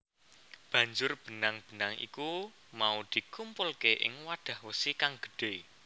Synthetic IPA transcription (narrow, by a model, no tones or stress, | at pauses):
b̥ä̤ɲd͡ʒʊrb̥ə̤naŋb̥ə̤naŋʔḭku | maud̪̥i̤kumpʊlkeʔɪ̰ŋwaɖ̥a̤hwəsikaŋɡ̥ə̥̤ɖ̥e